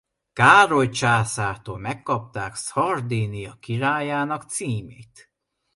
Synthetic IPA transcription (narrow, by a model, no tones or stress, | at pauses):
kaːɾo̞jt͡ʃaːsaːt̪oːlmɛkːɒp̚t̪aːkshɒrd̪inijɒkiɾaːjaːnɒkt̪siːmḛːt̪